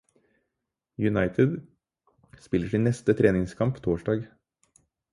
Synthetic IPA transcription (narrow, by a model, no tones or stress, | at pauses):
jʉnɑɪt̪ʰɪd̪ | spɪləʂiːnnɛst̪ət̪ʰɾeːnɪŋskʰɑmpt̪ʰoːʂɖɑːɡ